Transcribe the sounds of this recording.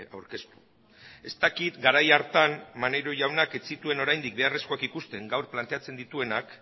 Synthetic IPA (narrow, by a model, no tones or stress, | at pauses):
awɾke̞st̪u̥ | e̞st̪akit̪ɡaɾajaɾt̪anmane̞ɾo̞ʝawnake̞t͡sit̪ue̞no̞ɾajnd̪ik̚be̞are̞sko̞akikust̪e̞ŋɡawɾplant̪e̞at͡se̞nd̪it̪ue̞nak